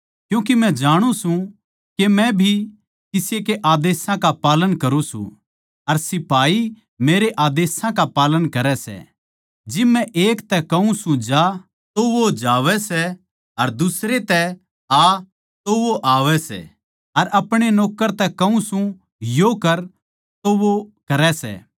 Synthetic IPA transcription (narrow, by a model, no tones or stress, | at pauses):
kjũːk̬imɛ̃d͡ʒaːɽ̃ũsũ | kemɛ̃bʱi | kɪsekeʔaːd̪eːsãkapaːlənkɐɾũsṵ̃ | ɐɾsɪpaːi | meːɾeʔaːd̪eːsãkapaːlənkɐɾɛsɛ̰ | d͡ʒɪmːɛ̃ʔeːkt̪ɛkɐũsũd͡ʒa | t̪oʋod͡ʒaːʋɛsɛ | ɐɾd̪ʊsɾet̪ɛ | a | t̪oʋoʔaːʋɛsɛ̰ | ɐɾɐpɽ̃enɔːkəɾt̪ɛkɐũsũ | jokɐɾ | t̪oʋokɐɾɛsɛ̰ː